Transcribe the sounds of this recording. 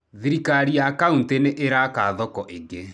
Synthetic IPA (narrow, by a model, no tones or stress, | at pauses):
ðiɾikaɾijakaunteneʔeɾakaðɔkɔʔeŋɡe